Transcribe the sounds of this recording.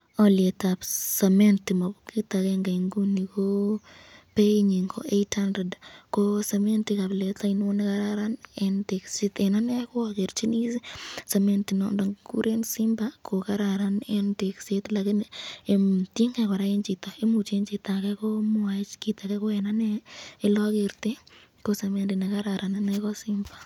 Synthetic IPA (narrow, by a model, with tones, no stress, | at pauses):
ɔ˦lɪe˨t̪a˨sa˨me˦nti˨ma˨kki˦t̪a˨kɛ˦ŋɡa˨i˨ŋɡu˦nːi˨ko˦ | pe˦i˦ɲi˨ŋkʰo̰˦ʔetha˦ndɾe˨dko˦sa˨me˦nti˦ka˨blɛ˨t̪ai˦nwo˦ne˦ka˦ɾaɾa˦nɛnte˨ksi˦t̪ɛ˨na˦nɛ˦kɔ˦ɔ˨ke˨ɾt͡ʃi˦ni˦sesa˨me˦nti˨nɔ̰˨ndɔ˨kṵ˦ɾe˦nsɪ˦mba˦kʰo˨ka˦ɾa˨ɾa˦nɛ˦nte˨kse˦t̪la˨ki˦ne˨tje˦ŋkɛ˨kʷwa˨ɾa˦e˦nt͡ʃi˨t̪a˨e˦mu˨t͡ʃe˦nt͡ʃi˨t̪a˨kɛ˦kɔ˦mʊ˦a˨t͡ʃki˦t̪a˨kɛ˦kɔ˦ɛ˨na˦nɛː˦lɔ˦ɡe˨ɾt̪e˦ | ko˦sa˨me˦nti˨nɛ˨ka˦ɾa˨ɾʔa˨nanɛ˦kɔ˦sɪ˦mba˨